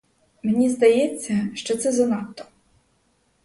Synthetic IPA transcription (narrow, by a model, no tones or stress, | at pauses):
menʲizd̪ɐjɛt͡sʲːɐʃt͡ʃɔt̪sɛzɐnɑt̪ːɔ̥